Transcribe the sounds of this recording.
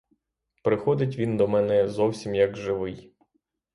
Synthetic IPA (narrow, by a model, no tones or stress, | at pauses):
pɾɪxɔd̪ɪt̬ʲʋʲind̪ɔmɛnɛzɔwsʲimjɐɡʒɪʋɪj